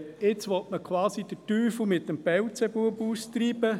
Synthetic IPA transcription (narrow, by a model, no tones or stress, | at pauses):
ɪt͡sʋɔtməkʰwɑːsid̥ətyːfl̩mɪtːəmpɛwt͡sɛbuəpuːst̪ɾiːbə